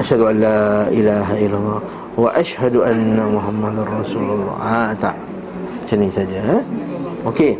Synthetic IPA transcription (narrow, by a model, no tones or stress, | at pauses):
ʔaʃhad̪uʔanlaʔɪlaːɦaʔɪlːalːɑː | waʔaʃhad̪uʔanːamʊɦamːad̪rˤːɑsuːlʊlˤːɑ̰ːʔat̪aʔ | t͡ʃanisad͡ʒa | ʔoke